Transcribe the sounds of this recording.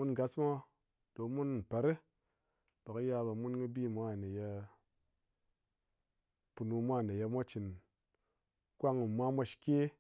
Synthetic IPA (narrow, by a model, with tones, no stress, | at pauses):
mu˦nɡa˨˦smʷo˦ | d̥o˨˦mu˦n̩˦˨pa˨ɾe˦ | d̥o˨ki˦ja˧ba˨mu˦nki˦bi˦˨mʷa˦˨ne˨je˧ | pu˧nu˧mʷ˦a˦˨ne˨je˧mʷa˦t͡ʃi˨n | kʷa˦ŋu˨mʷa˦mʷa˧ʃi̥˨kʲe˦